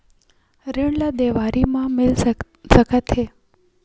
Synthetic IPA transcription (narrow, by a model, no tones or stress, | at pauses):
ɾeɳlad̪eʋaɾimãmel | səkʰət̪ʰe